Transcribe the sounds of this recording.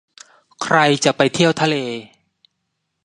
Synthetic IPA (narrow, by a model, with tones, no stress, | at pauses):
kʰɾa˧jt͡ɕa˨˩ʔpa˧jt̪ʰi˥˩əwt̪ʰa˧leː˧